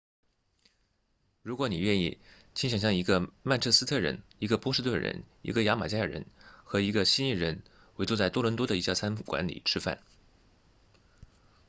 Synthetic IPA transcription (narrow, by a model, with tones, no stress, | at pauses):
ɻu˧˥kwɔ˧˥ni˨˩ɥɛ˥˧ni˥˩ | t͡ɕʰi˥nɕjɑ˨˩ŋɕjɑ˥˩ŋi˧˥ɡə˧ma˥˧ɪʈ͡ʂʰɤ˥˩sɹ̩˥t̪ʰɤ˥˩ɻə̰˧˥ni˧˥ɡə˧pwɔ˥ʂɻ̩˥t̪wə˥˩nɻə̰˧˥n | i˧˥ɡə˧ja˧˥ma˨˩t͡ɕja˥jə˨˩ɻə̰˧˥nxɤ˧˥i˧˥ɡə˧ɕi˥ni˥˩ɻə˧˥n | we˧˥t͡su˥˧t͡sa˥˩ɪt̪ɔ˥lwə˧˥nt̪wɔ˥d̪ə˨i˧˥ɕja˥˩t͡sʰa˥nfkwa̰˧˥nlḭ˨˩ʈ͡ʂʰɻ̩˥fa̰˥˩n